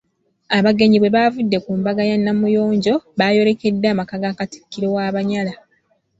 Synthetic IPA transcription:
aβaɡe̞ɲiβwe̞βavudːe̞kuːmbaɡajanːamujo̞ːɲɟo̞βaːjo̞ɾe̞ke̞dːaːmakaɡaːkati̥kːiɾo̞waːβaɲala

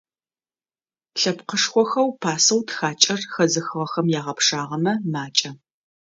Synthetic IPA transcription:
ɬɐpqəʂxʷɔxɐwpʰaːsɐwtxaːt͡ʃʼɐrxɐzɨxɨʁɐxɐmjaːʁɐpʂaːʁɐmɐmaːt͡ʃʼɐ

